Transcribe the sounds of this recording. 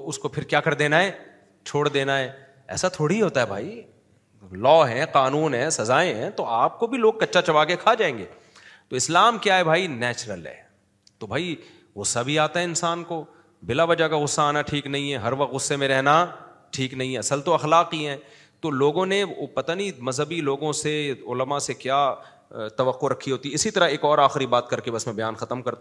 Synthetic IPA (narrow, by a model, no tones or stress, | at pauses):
oʊskopʰɪɾkjaːkɐɾd̪eːnaɦɛː | t͡ʃʰoːɽd̪eːnaɦɛː | ɛ̰ːsat̪ʰoːɽiɦoːt̪aɦɛbʱa̰ːi | lɔːɦɛ̃ːqaːnuːnɦɛ̃sɐzaːẽɦɛ̃t̪oaːp̚kobʱiloːɡ̚kɐtːʃat͡ʃɐʋaːkekʰaːd͡ʒaːẽːŋɡḛː | t̪oɪslaːmkjaɦɛbʱaːinɛːt͡ʃɾəlɦɛ̰ː | t̪obʱaːi | ɣʊsːabʱiaːt̪aɦɛɪnsaːnko | bɪlaʋɐd͡ʒakaɣʊsːaaːnaʈʰiːknɐɦĩɦɛ̃ɦɐɾʋɐqt̪ɣʊsːemẽɾɛɦnaʈʰiːknɐɦĩɦɛɐsəlt̪oɐxlaːqiɦɛ̃ː | t̪oloːɡõneopɐt̪anĩmɐzɦəbiloːɡõseʊləmasekjaː | t̪ɐʋəqːoɾɐkʰːiɦoːt̪iɛɪsit̪ɐɾəɦeːkɔːɾaːxɪɾibaːt̪kɐɾkebɐsmẽbɐjaːnxɐt̪əmkɐɾt̪